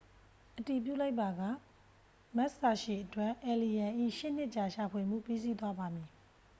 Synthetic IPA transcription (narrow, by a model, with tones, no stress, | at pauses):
ʔəti˨p̬jṵ˦˨la˦ɪpːa˨ɡa̰˦˨ | ma˦ʔsa˨ʃi˨ʔətwɛ˦ʔʔɛ˨li˨jã˨ʔḭ˦˨ʃɪ̰˦˨n̥ɪ˦ʔt͡ɕa˨ʃa˨pʰwe˨m̥ṵ˦˨pi˦zi˦˨t̪̬wa˦ba˨mi˨